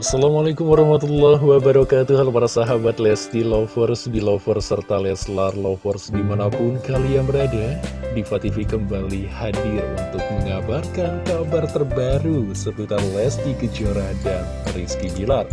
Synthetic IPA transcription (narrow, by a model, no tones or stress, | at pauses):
ʔasalamalekumwaɾɑhmat̪ulːɔɦwabəɾakat̪uɦalapaɾasaɦabat̪lɛst̪ilɔfɔrsdilɔfɔrsərt̪alɛslarlɔfɔrsdimanapʊnkaliaŋbəɾadadifat̪ifikəmbalihadɪrṵnt̪ʊk̚məŋabarkankabart̪ərbaɾusəp̪ut̪arlɛst̪ikəd͡ʒoɾadan | riskibilar